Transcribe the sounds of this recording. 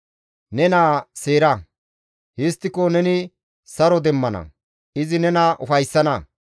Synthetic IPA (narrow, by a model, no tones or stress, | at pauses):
nɛnaːseːɾɐ | hɪst̪ːɪkonɛnɪ | sɐɾɔd̪ɛmːɐnɐ̰ | ɪzɪnɛnɐʔʊfɐjsːɐnɐ